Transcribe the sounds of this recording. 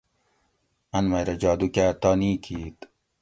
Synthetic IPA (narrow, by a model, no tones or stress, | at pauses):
ɐnmɐjɾɐd͡ʑaːd̪ukat̪aːniːkʰiːt̪